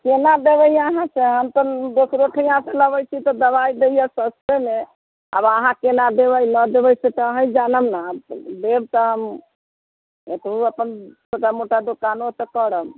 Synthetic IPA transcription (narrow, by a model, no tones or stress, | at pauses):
kenad̪ebəjaɦãt͡ʃʰeɦəmt̪ɔd̪osɾoʈʰəjãseləβəjt͡ʃʰit̪ɔd̪əbajd̪eijɛsəst̪eme | a̰bəɦãkenad̪eβəjləd̪ebəjset̪ɔɦə̃jd͡ʒanəmnabd̪eb̚t̪ɔɦəm | et̪ɦuəpənsoʈamoʈad̪okanot̪ɔkəɾəm